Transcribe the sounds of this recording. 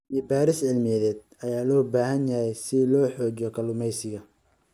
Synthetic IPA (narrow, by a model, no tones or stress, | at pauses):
ʔiːbaːɾɪsʕɪlmɪjɛðɛːd̪̚ | ɐjaːlɔːbaːhɐnjɐjɛjsɪlɔːħɔːt͡ʃɔkʰɐlʊmɛjsɪɣɐ